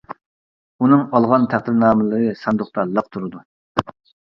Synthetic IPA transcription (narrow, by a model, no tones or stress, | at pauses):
unɨŋɑlˠʁɑnt̪ʰæχd̪ɪɾnɑːmɨlˠəʁəsɑnd̪ʊχt̪ɑlˠːəq̚t̪ʰuɾɨd̪u